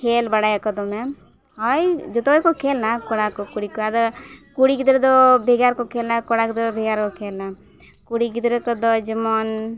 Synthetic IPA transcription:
kʰelbaɽajakɔd̪ɔmɛ | hɔjd͡ʒɔt̪ɔjkɔkʰelnakɔɽakɔkuɽikɔad̪ɔkuɽiɡid̪ɾɛd̪ɔbʱeɡaɾkɔkʰelnakɔɽakd̪ɾbʱeɡaɾkɔkʰelna | kuɽiɡid̪ɾɛkɔd̪ɔd͡ʒəmɔn

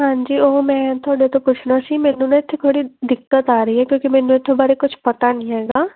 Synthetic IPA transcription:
ɦãːɲd͡ʒiːoːmɛ̃ːt̪ʰʊaːɖet̪õpʊt͡ʃʰnasimɛːnũːnãɪt̪ʰːet̪ʰoːɽid̪ɪkːət̪aːɾəɦiɦɛːkjõːkimɛ̃ːnũːɪt̪ʰːebaːɾekʊt͡ʃʰpət̪anĩːɦɛːɡaː

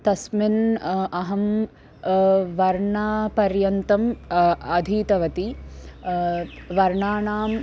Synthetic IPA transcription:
t̪ɐsmɪnɐɦɐm | ʋɐɾɳaːpɐɾjɐnt̪ɐmɐd̪ʱiːt̪ɐʋɐt̪i | ʋɐɾɳaːɳaːm

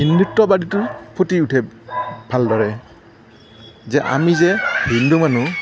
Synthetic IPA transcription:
induk̚tɔbaditʊpʰotiutʰɛbʱaldɔɹɛ | zɛʔa̰mizɛbindumanu

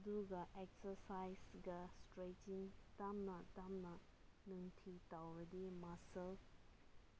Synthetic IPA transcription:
ɐduɡɐʔeksɐɾsajsɡɐstɾetiŋtamnɐtamnɐ | nuŋtʰitawɾɐdimasɐl

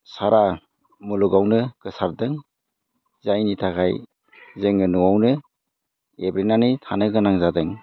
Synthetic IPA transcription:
saɾa | muluɡawnɯkɯsaɾ̚dɯŋ | zajnitʰakʰaj | zeŋɯnuwawnɯ | ebɾenanitʰanɯɡɯnaŋzadɯŋ

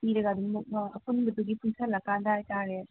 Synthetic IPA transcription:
piɾɐɡad̪uŋmuɐpunbɐtuɡipʰuŋsalɐkandajtaɾe

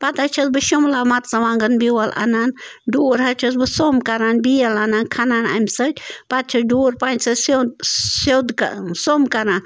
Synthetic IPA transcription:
pat̪ɐt͡ʃʰɐsbɨʃumlaːmɐt̪sɐʋãːŋɡɐnbiwɐla̰nanɖoːɾɦɐt͡ʃʰɐs̬bɨsomkɐɾanbijɐlanaːnkʰɐnaːna̰msɐtʲpat̪̚t͡ʃʰɐɖoːɾpaːnʲsɐssewd̪ksomkɐɾan

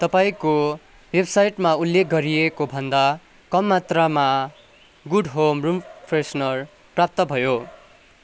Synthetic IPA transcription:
t̪ʌpaĩko | websajʈmaulːek̚ɡʌɾijekobʱʌnd̪a | kʌmːat̪rama | ɡuɖɦomrumpʰresnʌr | prap̚t̪ʌbʱʌjo

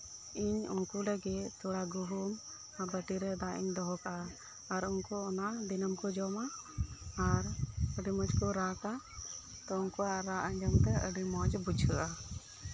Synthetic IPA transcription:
iɲunkuləɡɛt̪ʰɔɽaɡuɦum | abəʈiɾɛd̪aʔiɲd̪ɔɦɔkaː | ɾunkɔɔnaʔd̪inəmkɔd͡ʒɔma | aɾəɖimɔd͡ʒkɔɾaka | t̪ɔʊnkɔaɾaʔə̃ɲd͡ʒɔmt̪ɛə̰ɖimɔd͡ʒbud͡ʒʰʱəʔa

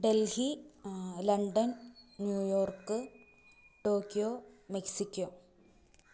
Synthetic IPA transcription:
ɖelhi | lɐɳɖɐnnjuːjo̞ːrkːɨ | ʈoːkːjoːmeksikʲːoː

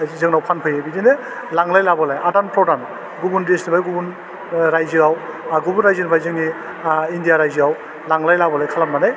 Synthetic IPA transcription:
zɯŋnawpʰanpʰɯjabidine | laŋlajlabɔlajadanpʰɾɔdan | ɡubundesnibajɡubun | ɾajzɯawɡubunɾajzɯnbajzɯŋi | indijaɾajziaw | laŋlajlabɔlajkʰalamːana

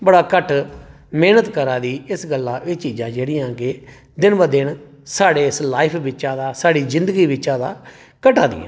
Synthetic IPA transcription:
bəɽaːkəʈ | mɛːnət̪kəɾãːd̪iːɪsɡəlːãːʔɪːt͡ʃiːd͡ʒãːd͡ʒeːɽɪːjãːkɪ | d̪ɪnbəd̪ɪn | saːɽeːɪslaːɪpʰbɪt͡ʃãːd̪aːsaːɽiːzɪ̃nd̪əɡiːbɪt͡ʃːãːd̪a̰ː | kəʈaːd̪ɪ̰jã̰ː

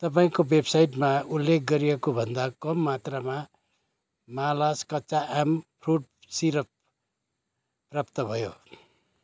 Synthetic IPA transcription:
t̪ʌpaĩkobebsajʈmaulːek̚ʰɡʌɾijekobʱʌnd̪akʌmːat̪rama | malʌskʌtːsaʔampʰruɖ | siɾʌp | prap̚t̪ʌbʱʌjo

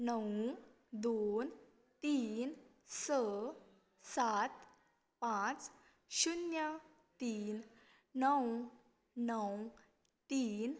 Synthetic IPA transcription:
nəw | d̪on | t̪iːn | sə | sat̪ | pãt͡s | ɕunjə | t̪iːn | nəw | nəw | t̪iːn

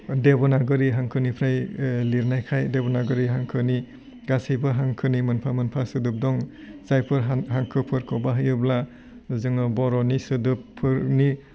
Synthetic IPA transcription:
debɔnaɡɯɾiɦaŋkʰɯnipʰɾajliɾnajkʰajdebɔnaɡɯɾiɦaŋkʰɯni | ɡasijbɯɦaŋkʰɯnimɯnpʰamɯnpʰasɯdɯp̚dɔŋ | zajpʰɯɾɦaŋkʰɯpʰɯɾkʰɔbaɦɯjɯbla | zɯŋɯbɔɾɔnisɯdɯpʰːɯɾni

